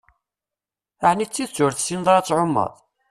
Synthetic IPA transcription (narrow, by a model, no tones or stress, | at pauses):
aʕnit͡sːiðt͡sːʊɾθsinðˤɾˤɑt͡sːʕomːə̰ðˤ